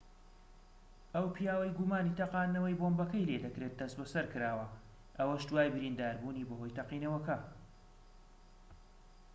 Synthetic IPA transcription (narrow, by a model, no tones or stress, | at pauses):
ɐwpʰjaːwɐjɡumaːniːt̪ɐqɑːnːɐwɐjbombɐkɐjleːd̪ɐkɾet̪̚d̪ɐsbɐsɐɾkɨɾaːwɐ | ʔɐwɐʃt̪d̪waːjbɨɾind̪aːɾbuːniːbɐɦo̞jt̪ɐqiːnɐwɐkɐ